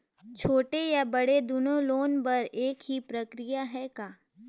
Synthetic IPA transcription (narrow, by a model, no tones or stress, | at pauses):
t͡ʃʰoːʈejabɐɽed̪ʊnõloːnpɐɾeːkɦipɾɐkɾɪjaɦɛkaː